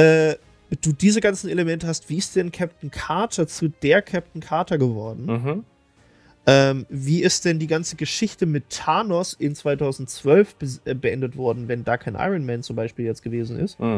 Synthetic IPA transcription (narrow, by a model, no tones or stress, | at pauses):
ʔɛː | d̥uːdiːzəɡant͡sn̩eləmɛntəhastv̥iːɪst̚d̥ɛnkʰɛp̚tn̩kʰaɐtʰɐt͡sud̥eːɐkʰɛp̚tn̩kʰaɐtɐɡəvɔɐdn̩ | ʔɛːmviːʔɪstd̥ɛndiːɡant͡səɡəʃɪçtəmɪtʰːaːnɔsʔɪnt͡sv̥aɪtʰaʊzn̩tt͡sv̥œlfb̥əʔɛbəʔɛndətv̥ɔɐdn̩vɛndaːkʰaɪnʔa̰ɪʁənmɛːnt͡sʊmbaɪʃpiːljɛt͡stɡ̥əveːzn̩ɪ̰st